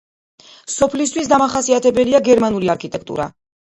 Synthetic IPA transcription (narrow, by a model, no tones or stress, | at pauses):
sɔpʰlis̬t̪ʰwisd̪amaχasiat̪ʰɛbɛliaɡɛɾmanuliaɾkʰit̪ʼɛk̚ʰt̪ʼṵɾa̰